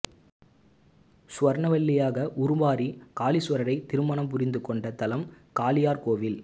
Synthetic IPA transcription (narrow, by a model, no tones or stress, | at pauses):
sʊʋɐɾɳɐʋɐɭːɪjaːɣɐʔʊɾʊʋaːɾikaːlisɐɾɐɾɐɪt̪ːɪɾɯmɐɳɐmpʊɾɪnd̪ɯkːɔɳɖɐt̪ɐlɐm | kaːlɪjaːɾkoːʋɪl